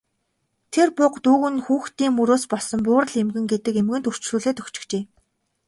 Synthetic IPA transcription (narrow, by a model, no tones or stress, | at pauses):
t̪ʰerpʊqt̪uːɣɘ̆nxuːxt̪iːŋːuɾoːspɔɮsɞ̆mpʊːɾə̆ɮemɡɘ̆ŋɡet̪ɘ̆kemɣɘ̆nt̪ur̥t͡ɕɮuːɮeːt̪ɵkt͡ɕɪ̥̆kt͡ɕeː